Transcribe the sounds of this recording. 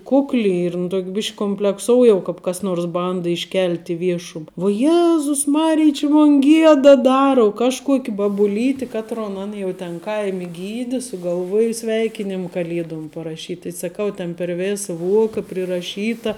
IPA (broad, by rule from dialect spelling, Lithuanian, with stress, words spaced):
ˈkʊklʲɪ ɪr ɪn ˈtoːkʲ ˈbʲɪʃʲkʲ kʊmʲpʲlʲɛkˈsoːʊ jɛʊ kɑːp kɐs ˈnoːrs ˈbɐndɐ ɪʃʲˈkʲɛlʲtʲ ɪ ˈʋʲiɛʃʊm ʋuɔ ˈjæːzʊs ˈmɑːrʲɪj t͡ʃʲɪ moːn ˈɡʲiɛdɐ ˈdɑːrɐ ʊ ˈkɑːʃˌkuɔkʲ bɐbʊˈlʲiːtʲɪ ˈkɑːtroːn ˈɐn jɛʊ tʲɛn ˈkɐɪmʲɪ ˈɡʲiːdʲɪ sʊɡɐlˠˈʋuɔjɛ ˈsʲʋʲɛɪkʲɪnʲɪm kɐˈlʲiɛdoːm pɐrɐˈʃʲiːtʲ tɐɪ sɐˈkɐʊ tʲeːn pʲɛr ˈʋʲeːsɐ ˈʋuɔkɐ pʲrʲɪrɐˈʃʲiːtɐ